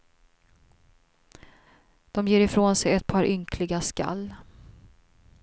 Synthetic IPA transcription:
d̪̥ɔmjeːɾɪfɾoːnsɛjɛt̪̚pʰɑːɾʔʏŋkʰlɪɡaska̰lː

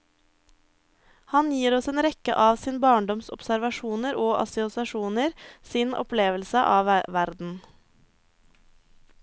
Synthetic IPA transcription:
hɑnjiːɾɔseːnɾɛkə̰ʔɑːʋsiːnbɑːɳɖɔmsɔpsæɾʋɑʃuːnəɾoːʔɑ̰sɪʊsɑʃuːnəɾsiːnʔɔ̰pleːʋəlsəʔɑːʋʋæɾd̪n̩

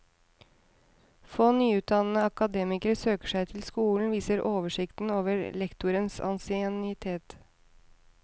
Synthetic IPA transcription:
foːnyːʉːt̪̚d̪ɑnn̩əɑkɑd̪eːmɪkəɾsøːkə̥ʂæɪt̪ʰɪlskuːln̩ʋiːsəɾʔoːʋəʂɪkt̪n̩oːʋəɾlɛkt̪ʊɾənsɑ̰nsɪɛnɪt̪ʰeːt̪

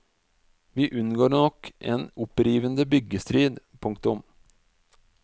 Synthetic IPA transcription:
ʋiːʔʉnːɡoːɾɳɔkʰʔḛːnʊpɾiːʋənd̪əbʏɡəst̪ɾiːd̪pʰʊŋkt̪ʊm

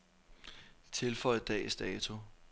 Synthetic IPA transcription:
t͡sʰe̝lfɒ̽ɪð̩ˠd̥ɛ̰ːsd̥ɛːt͡sʰu

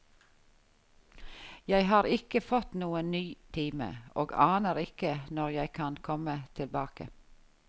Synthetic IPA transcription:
jæɪhɑːɾɪkəfɔt̪nuːənnyːt̪ʰiːmə̰ʔoːɡɑːnəɾɪkənɔʁjæɪkʰɑnkʰɔmət̪ʰɪlbɑːkə̰

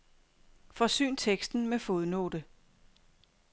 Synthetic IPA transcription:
fɒ̽sy̰ːnt͡sʰeɡ̥sd̥n̩mefo̝ðˠno̰ːd̥ə

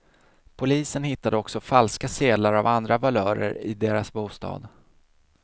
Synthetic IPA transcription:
pʰʊliːsənhɪt̪ːad̪əɔksɔfalskaseːd̪laɾavand̪ɾavalœːɾə̰ɾɪ̰d̪eːɾasbuːst̪ɑ̰ːd̪

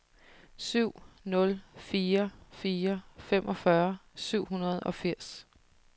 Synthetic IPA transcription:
syʊ̰nɔ̽lfiːɐfiːɐfemʔɒ̽fɶɐsyʊ̰ɦunɐðˠɒ̽fiɐ̰s

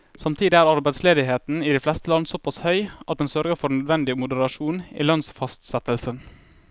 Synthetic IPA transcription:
sɑmt̪ʰiːd̪ɪæːɾɑɾbæɪd̪sleːd̪ɪɦeːt̪n̩iːd̪iflɛst̪əlɑnːsɔpɑshœʏʔɑt̪̚d̪ɛnsœɾɡəɾfɔɾnœd̪ʋɛnd̪ɪmʊd̪əɾɑʃuːnḭːlœnsfɑst̪sɛt̪əlsən

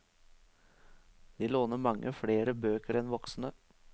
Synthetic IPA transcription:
d̪̥iːloːnəmɑŋːʔəfɽeːɾəbøːkəɾɛnʋɔksn̩ə

